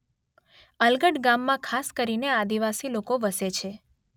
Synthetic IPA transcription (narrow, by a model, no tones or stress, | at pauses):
əlɡəɽɡamːãkʰaskəɾinead̪iʋasilokoʋəset͡ʃʰe